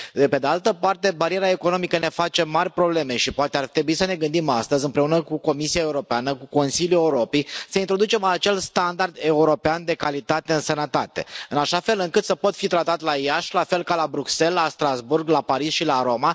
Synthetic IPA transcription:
d̪epe̞d̪ealt̪əpart̪e̞baɾieɾeaeko̞no̞mikəne̞fat͡ʃe̞marʲpɾo̞ble̞me̞ʃipoat̪eart̪ɾebuisəne̞ɡɨnd̪imast̪əzʲɨmpɾe̞unəkuko̞misiae̞uɾo̞peanəkuko̞nsiljueuɾo̞pejsəint̪ɾo̞d̪ut͡ʃe̞mat͡ʃe̞lst̪and̪ard̪e̞uɾo̞peand̪e̞kalit̪at̪e̞ɨnsənət̪at̪e̞̰ɨnaʃafe̞lɨŋkɨt̪səpo̞t̪fit̪ɾat̪at̪laijaʃlafe̞lkalabɾukse̞lːast̪ɾazburɡlapaɾisʃilaɾo̞ma

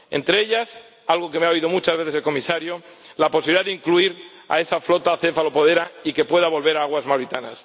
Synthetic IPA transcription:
e̞̰nt̪ɾeeʎas | alɣo̞ke̞meaoiðo̞mut͡ʃazβe̞θeselko̞misaɾjolaposiβiliðaðeiŋkluiɾ | a̰e̞saflo̞t̪aθe̞falo̞po̞ð̞e̞ɾaike̞pwe̞ðaβo̞lβe̞ɾaaɣwazmawɾit̪ana̰s

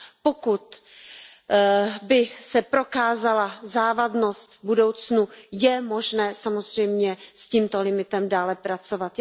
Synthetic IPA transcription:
po̞kut̪ | bɪsɛpɾo̞kaːzalazaːvadno̞st̪budo̞wt͡snujɛmo̞ʒnɛːsamo̞zr̝̥ɛjmɲɛsciːmt̪o̞lɪmɪt̪ɛmdaːlɛpɾat͡so̞vat̪

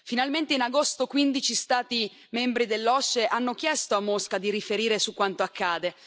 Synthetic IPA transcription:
finalment̪einaɡost̪okwind̪it͡ʃist̪aːt̪i | membɾid̪elːɔseʔanːok̟jɛst̪oamːoskad̪iɾifeɾiːɾesukːwant̪oakʰːaːd̪e

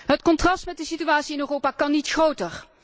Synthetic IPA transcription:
ɦətkɔntrɑstmɛt̚dəsityʋaːtsiɪnøːrowpaːkɑnːitxrowtər

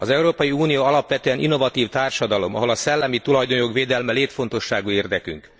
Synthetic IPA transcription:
ɒzɛuɾoːpɒjiuːnijoːɒlɒpʋɛt̪øːɛnḭnːo̞vɒt̪iːft̪aːrʃɒd̪ɒlo̞mɒ̰ɦo̞lɒsɛlːɛmit̪ulɒjd̪o̞nokʋeːd̪ɛlmɛleːt̪fo̞n̪t̪o̞ʃːaːɡuːeːrd̪ɛky̰ŋk

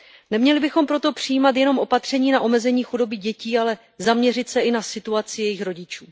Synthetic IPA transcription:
nɛmɲɛlɪbɪxo̞mpɾo̞t̪o̞pr̥ɪjiːmat̪̬jɛno̞mʔo̞pat̪r̝̥ɛɲiːnaʔo̞mɛzɛɲiːxudo̞bɪɟɛciːalɛ | zamɲɛr̝ɪt̪sɛʔɪnasɪt̪uat͡sɪjɛjɪxɾo̞ɟɪt͡ʃuː

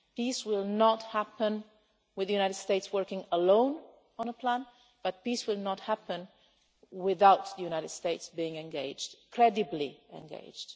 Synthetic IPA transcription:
piswɪlˠnɔthæpə̃n | wɨðəjunajɾɨd̥steɪtswɜ˞kɪ̃ŋəlõʊ̃n | ə̃nəpʰlæ̃n | b̥ʌt̚piswɪlˠnəthæpə̃n | wɪðaʊt̪ðəjunaɪɾɨd̥steɪtsbiɪ̃ŋɛ̃nɡeɪd͡ʒd̥kʰɹɛdɨbliɛ̰̃nɡḛɪd͡ʒd̥

